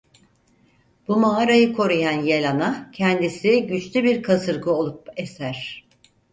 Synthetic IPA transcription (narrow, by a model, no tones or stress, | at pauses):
b̥umaɦaɾajɯkʰo̞ɾujanjelʲanacʰɛnd̪isiɟyt͡ʃlʲybiɾkʰasɯɾɡɯo̞lˠup̚esæɾ̥